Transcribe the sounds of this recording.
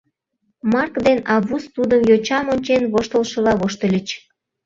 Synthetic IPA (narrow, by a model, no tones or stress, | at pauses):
mɑrkd̪enɑβust̪ud̪əmjot͡ɕɑmonʲt͡ɕenβoʃt̪əlʃə̆lɑβoʃt̪əlʲət͡ɕ